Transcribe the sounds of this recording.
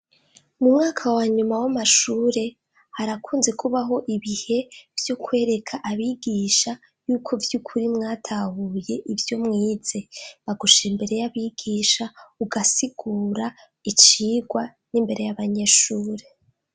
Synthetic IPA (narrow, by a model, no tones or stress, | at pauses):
mumŋaːkʰawaɲumawamaʃuːɾe̞ | haɾakʰuːnze̞kuβaɦo̞ʔiβihe̞vjokwe̞ːɾe̞kʰaʔaβiɡiːʃa | juːkʰo̞vjukʰuɾimŋaːtʰahuːje̞ʔivjo̞mŋiːz̥e̞βaɡuʃeimbe̞ɾe̞jaβiɡiːʃauɡasiɡ̥uːɾa | it͡ʃiːɡwa | nimbe̞ɾe̞jaβaɲe̞ʃuːɾe̞